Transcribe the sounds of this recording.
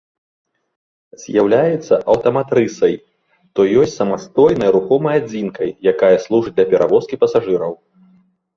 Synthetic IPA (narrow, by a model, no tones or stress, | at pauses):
z̥ʲjawlʲajɛt̪sːɐʔɐwt̪ɐmat̪ɾɨsɐj | t̪ɔjɔsʲtʲt͡sʲsɐmast̪ɔjnɐjɾuxɔmɐjad͡zʲinkɐjːakajɐslˠuʐɨd̪lʲɐpʲɛɾʔavɔskʲipɐsaʐɨɾɐw